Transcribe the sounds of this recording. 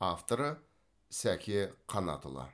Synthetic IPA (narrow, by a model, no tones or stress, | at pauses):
aft̪oɾə | sækʲʰeqʰɑnɑ̰t̪o̰lˠɑ̰